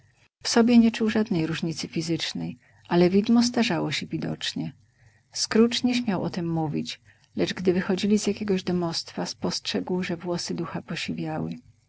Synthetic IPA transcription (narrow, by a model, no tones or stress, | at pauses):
fsɔbʲjɛɲɛt͡ʂuwʐad̪nɛjɾuʐɲit̪sɘfʲizɘt͡ʂnɛj | ʔalɛvʲid̪mɔs̬t̪aʐawɔɕɛvʲid̪ɔ̰t͡ʂɲɛ | skɾut͡ʂɲɛɕmʲjawʔɔt̪ɘmːuvʲit͡ɕ | lɛt͡ʂɡd̪ɘvɘxɔd͡ʑilʲizjakʲɛɡɔʑd̪ɔmɔst̪faspɔstʂɛɡwʐɛvwɔsɘd̪uxapɔɕivʲjawɘ